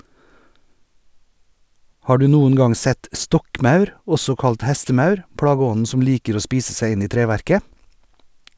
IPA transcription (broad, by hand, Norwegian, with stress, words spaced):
ˈhɑː ˈɖʉː ˈnuːən ˈɡɑŋ ˈsɛt ˈstɔkˌmɑʉɾ ˈɔsɔ ˈkɑlt ˈhæstəˌmɑʉɾ ˈpɽɑːɡəˌɔnn̩ ˈsɔm ˈliːkəɾ ˈoː ˈspiːsə ˈsæɪ ˈɪn ˈiː ˈtɾeːˌʋæɾkə